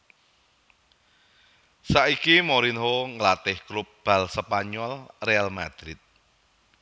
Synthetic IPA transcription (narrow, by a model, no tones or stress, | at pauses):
saʔikimoɾinɦoŋəlat̪ɪhkɾʊp̚b̥a̤lsəpaɲɔlrealmad̪̥ɾɪt̪̚